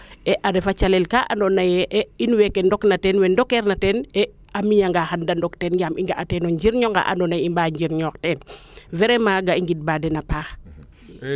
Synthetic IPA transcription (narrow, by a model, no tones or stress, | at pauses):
ɛʔadɛfat͡ʃalɛlkaʔandɔnajɛʔɛinwɛkɛndɔknatɛːnwɛndɔkɛɾnatɛnɛ | amiɲaŋɡaxandandɔktɛnɡamiŋɡaʔatɛnoɲɟiɾɲɔŋɡa̰ʔa̰ndɔnajimbaɲɟiɾɲɔːktɛːn | vɛɾɛmaɡaiŋɡit̚baːdɛnapaːx